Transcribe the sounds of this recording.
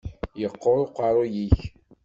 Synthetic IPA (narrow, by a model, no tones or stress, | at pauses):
jəqːoɾˤqɑɾˤojiç